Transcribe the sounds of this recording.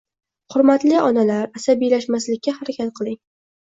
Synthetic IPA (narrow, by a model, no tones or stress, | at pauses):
hʊɾmat̪lɪɒnalaɾasabijlaʃmaslɪkʲʰːahaɾakʲat̪̚qʰɨlˠɪŋ